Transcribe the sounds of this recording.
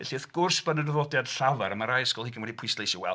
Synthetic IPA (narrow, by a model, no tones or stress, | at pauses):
ɛɬiəθɡ̥ʊrsbənədvɔdjad̥ɬavaɾəmaɾajskɔlˠhiɡʰənwɛdipʰwislejsɔwɛ̰lˠ